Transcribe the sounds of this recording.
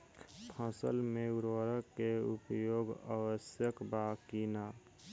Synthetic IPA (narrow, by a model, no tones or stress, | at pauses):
t̪ʰãsə̰lmeuɾwəɾəkːeupjoːɡə̰wəsjəkbakina